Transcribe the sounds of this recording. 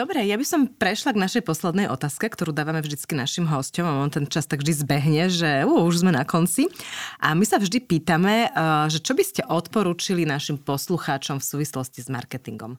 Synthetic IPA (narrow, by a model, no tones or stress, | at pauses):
d̪ɔbɾɛjabisɔmpɾɛʃlaɡnaʃɛjpɔslɛd̪nɛjʔɔ̰t̪aːskɛkt̪ɔɾuːd̪aːʋamɛvʒd̪it͡skinaʃimɦɔscɔmaɔnt̪ɛnt͡ʃast̪aɡʒd̪izbɛɦɲɛʒɛuuʒzmɛnakɔnt͡siʔamisavʒd̪ipiːt̪amɛʒɛt͡ʃɔbiscɛʔɔt̪pɔɾuːt͡ʃilinaʃimpɔsluxaːt͡ʃɔmfsuːʋislɔscizma̰ɾkɛt̪iŋɡɔ̰m